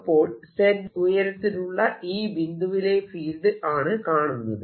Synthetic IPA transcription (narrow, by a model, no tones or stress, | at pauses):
pːo̞ːɭseɾujɐɾɐt̪ːinuɭːɐʔiːʋind̪uʋile̞fiːld̪ɨʔaːɳɨkaːɳunːɐðɨ